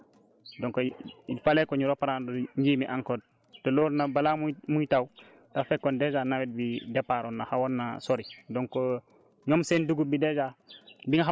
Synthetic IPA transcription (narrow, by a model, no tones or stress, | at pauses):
dɔŋkoifaleːkoɲuɾopaɾandoɲd͡ʒiːmiʔaŋkod̚ | toloɾnabalammujtaw | tafɛkːɔnded͡ʒaːnawit̚bidepaɾonːa̰hawonːa̰soɾidɔŋko | ɲomsenduɡubided͡ʒabiŋaɦa